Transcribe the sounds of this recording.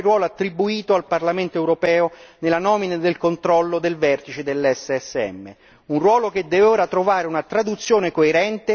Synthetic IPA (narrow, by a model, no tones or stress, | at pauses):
rwɔːloat̪ːɾibuiːt̪oalparlament̪oɛwɾopɛːonelanɔːminad̪elkont̪ɾɔlːod̪elvɛrt̪it͡ʃed̪elːɛsːeɛsːeɛ̰mːḛ | unrwɔːlok̟ed̪ːɛvoːɾat̪ɾovaːɾeunat̪ɾad̪ut̪sːjoːnekoeɾɛnt̪e